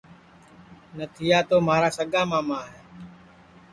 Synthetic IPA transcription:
nət̪ʰɪjaːt̪oːmaːɾaːsəɠãːmãːmãːɦeː

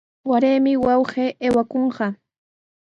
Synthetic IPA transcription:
waɾeːmɪwɑwɢeːʔeːwakoɴɢɑ

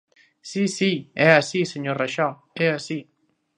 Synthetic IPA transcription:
sisiɛasiseɲoɾraʃɔ | ɛasi

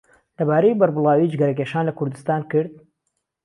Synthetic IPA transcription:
lɐbaːɾəjbɐɾbɨlˠaːwid͡ʒɡɐɾɐk̬eːʃaːnlɐkʊɾd̪ɨst̪aːnkɨɾd̪̚

